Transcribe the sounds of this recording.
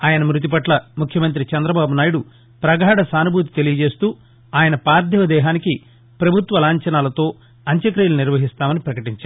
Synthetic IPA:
aːjɐnɐmɾut̪̬ipɐʈlɐmukʰjɐmɐnt̪̬ɾit͡ʃɐnd̪ɾɐbaːbunaːjiɽu | pɾɐɡʱaːɽɐsaːnubʱuːt̪̬i̥t̪elijɐd͡ʒe̞ːst̪uː | aːjɐnɐpaːɾd̪ʱjɐʋɐd̪ɛːɦaːniki | pɾɐbʱut̪ʋɐlaːɲt͡ʃɐnaːlɐt̪o̞ː | ɐɲt͡ʃɐkɾijluniɾʋɐɦist̪aːmɐnipɾɐkɐʈiɲt͡ʃaːɾ

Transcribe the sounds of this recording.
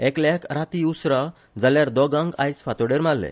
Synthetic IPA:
ɛklakɾat̪iusɾa | d͡zaljaɾd̪ɔɡãŋɡa̰jsfat̪oɽeɾmalːḛ

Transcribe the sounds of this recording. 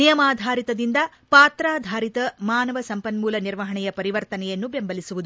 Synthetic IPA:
nijɐmaːd̪ʱaːɾit̪ɐd̪ind̪ɐ | paːt̪ɾaːd̪ʱaːɾit̪ɐmaːnɐʋɐsɐmpɐnmuːlɐniɾʋɐɦɐɳɛjɐpɐɾiʋɐɾt̪ɐnɛjɐnːubembɐlisuʋud̪u

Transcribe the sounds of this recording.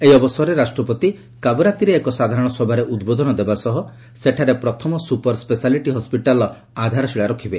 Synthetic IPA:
ejɔbɔsɔɦɾeɾasʈɾɔpɔt̪i | kabɾat̪iɾeːkɔsad̪ʱaɾɔɽ̃ɔsɔbʱaɾeʔud̪bod̪ʱɔnɔd̪ebasɔɦɔ | seʈʰaɾepɾɔt̪ʰɔmɔsupɔɾspesaliʈiɦɔspiʈalɔ | ad̪ʱaɾɔsiɭaɾɔkʰibe

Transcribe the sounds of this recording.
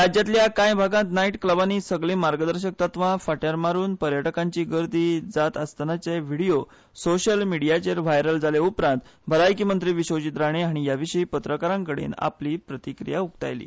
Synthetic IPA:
ɾad͡ʑjat̪ljakãjbʱaɡãt̪naiʈkləbaniːsəɡɭẽmaɾɡəd̪əɾɕək̚t̪at̪ʋãfaʈjaɾmaɾuːnpəɾjəʈəkãɲt͡ɕiːɡəɾd̪iːd͡zat̪əst̪ənat͡ɕeʋiɽijo | soɕəlmiɽijat͡ɕeɾʋajɾəld͡zaleupɾãnt̪bʱəlajkimənt̪ɾiːʋiɕot͡ɕit̪ɾaɽ̃eaɽ̃ijaʋiɕəipət̪ɾəkaɾãŋkəɽḛna̰pliːpɾət̪ikɾḭjauk̚t̪a̰jlḭː

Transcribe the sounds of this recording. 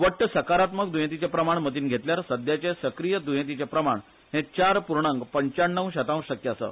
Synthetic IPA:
ʋəʈːəsəkaɾat̪mək̚d̪ujẽt̪̬it͡ɕepɾəmaɳmət̪iːnɡʱet̪ljaɾsəd̪jat͡ɕesəkɾijəd̪ujẽt̪̬it͡ɕepɾəmaɳ | ɦẽt͡ɕaɾpuɾɳəŋɡpəɲt͡ɕaɳːə̃wɕət̪ãw̃ɕəkjəasə̰ː

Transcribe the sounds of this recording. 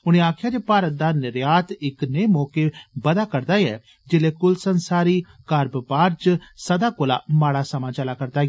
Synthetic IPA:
ʊñẽːaːkʰɪjaːd͡ʒepaːɾət̪̚d̪aːnɪɾjaːt̪ɪkneːmɔːkebəd̪aːkəɾd̪aːɛ̰ː | d͡ʒɪleːkʊlsənsaːɾiː | kəɾbpaːɾt͡ʃsəd̪aːkola̰ːmaːɽaːsəmãːt͡ʃəlaːkəɾd̪aː

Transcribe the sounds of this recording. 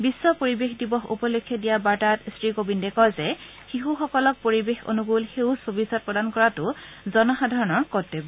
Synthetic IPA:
bisːɔpoɹibexdibɔxṵpɔlokʰːɛdijabaɹtatsɹikobindɛkɔlzɛ | xiɦuxɔkɔlɔk̚poɹibexo̰nuɡulxewsobisɔt̚pɹɔdankɔɹatʊ | zɔnɔxadʱaɹɔnɔɹkɔtebɔ

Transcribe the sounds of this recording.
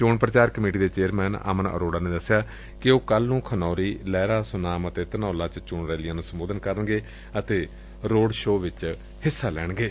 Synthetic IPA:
t͡ʃoːɳpɾət͡ʃaːɾkəmeːʈiːd̪eːt͡ʃeːəɾmɛːna̰ːmənə̰ɾoːɽaːneːd̪əsːjaː | kɪoːkəlnũːkʰənɔːɾiːlɛːɾaːsʊnaːmət̪eːt̪ənaːlaːt͡ʃt͡ʃʊːɳɾɛːlɪjãːnũːsəmboːd̪ənkəɾəɳɡeː | ət̪eː | ɾoːɽʃoːʋɪt͡ʃ | hɪsːaːlɛːɳ̃ɡeː

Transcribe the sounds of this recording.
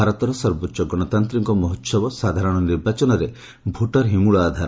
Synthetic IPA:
aɾɔt̪ɔɾɔsɔɾbɔtːʃɔɡɔɽ̃ɔt̪ant̪ɾiŋkɔmɔɦɔt̪sɔbɔsad̪ʱaɾɔɽ̃ɔniɾbat͡ʃɔnɔɾe | bʱuʈɔɾɦimuɭɔːd̪ʱaɾ

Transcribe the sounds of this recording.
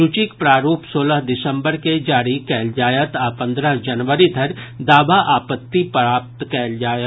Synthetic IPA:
ʊt͡ʃɪkpɾaːɾuːpsoːləɦd̪ɪsə̃mbəɾked͡ʒaːɾikɛːld͡ʒaːjət̪aːpɐ̃nd̪ɾəɦd͡ʒɐnʋəɾid̪ʱɐɾd̪aːbaʔaːpət̪ːipɾaːp̚t̪kɛːld͡ʒaːjə

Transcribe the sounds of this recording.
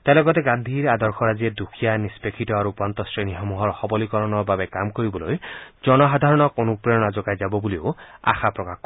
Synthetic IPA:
t̪ajlɔɡɔt̪eɡand̪ʱiɾad̪ɔɾkʰɔɾazied̪ukʰijanispekʰit̪ɔaɾupant̪ɔsɹeniɦɔmuɦɔɹxɔbɔlikɔɾɔnɔbabekamkoɾibɔlojd͡ʒɔnɔɦad̪ʱaɾɔnɔkɔnupɾeɔnad͡ʒɔɡajd͡ʒabɔbulioa̰xapɾɔkakɔ

